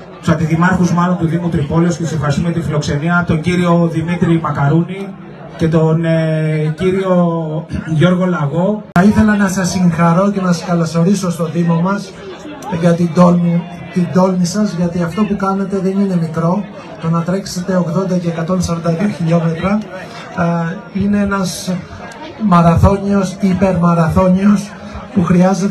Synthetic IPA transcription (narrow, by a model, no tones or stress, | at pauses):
t̪u̥sɐd̪iðimɐɾxuzmɐlo̞nt̪uðimut̪ɾipoleoscet̪se̞fxɐɾist̪umeɐt̪ifilo̞kse̞niɐt̪o̞ɲɟiɾio̞ðimit̪ɾimɐkɐɾuni | ce̞t̪o̞n | ciɾio̞ | ʝo̞ɾɣo̞lɐɣo̞θɐiθe̞lɐnɐsɐsːiŋxɐɾo̞ce̞nɐsɐskɐlo̞so̞ɾiso̞st̪o̞ðimomɐs | ʝɐt̪id̪olm | t̪id̪o̞lmisɐzʝɐt̪iɐft̪o̞pukɐne̞t̪e̞ðe̞nine̞mikɾo̞ | t̪o̞nɐt̪ɾe̞kse̞t̪e̞o̞ɣðo̞nd̪ɐceːkɐt̪o̞nesɐɾond̪ɐðioçiʎo̞me̞t̪ɾɐ | ine̞e̞nɐs | mɐɾɐθo̞ɲio̞sipe̞ɾmɐɾɐθo̞ɲio̞s | puxɾiɐzet̪